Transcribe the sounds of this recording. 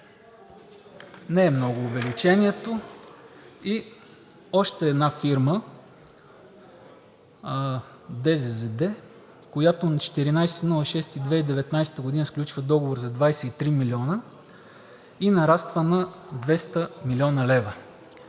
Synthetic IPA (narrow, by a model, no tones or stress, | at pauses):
nɛɛmnɔɡʊːvɛlit͡ʃɛniɛt̪o | i | ɔʃt̪ɛːd̪nafiɾmə | d̪ɛzɛzɛd̪ɛ | kojat̪onɐt͡ʃɛ̥t̪iɾinajsɛ̥t̪nɔlˠɐʃɛst̪id̪vɛid̪ɛvɛt̪najsɛ̥t̪əɡʊd̪inəfklʲut͡ʃvəd̪ɔɡovoɾzɐd̪vajsɛit̪ɾimilʲiɔnə | inɐɾast̪vənɐd̪vɛst̪əmilʲɔnəlɛvə